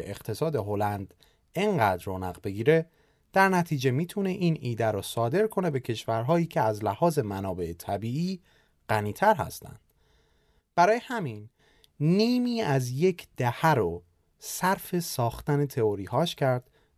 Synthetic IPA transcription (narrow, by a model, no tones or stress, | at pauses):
eeqt̪ʰe̞sɒːd̪e̞ɦo̞lænd̪ | eŋɢæːd̪ɾoːnæɣbe̞ɡiːɾe̞ | d̪̥æɾnæt̪ʰiːd͡ʒe̞miːt̪ʰune̞ʔiːnʔiːd̪æɾɔsɒːd̪e̞ɾkʰo̞ne̞be̞cʰe̞ʃvæɾɦɒːjiːcʰeæzlæhɒːze̞mænɒːbe̞et̪ʰæbiːiː | ɢ̥æniːt̪ʰæɾhæ̰st̪ʰæ̰nd̪̥ | b̥æɾɒːjehæmin | niːmiːæzje̞cʰd̪̥æhæɾo | sæɾfe̞sɒːxt̪æne̞t̪ʰe̞oɾiːhɒːʃcʰæɾd̪̥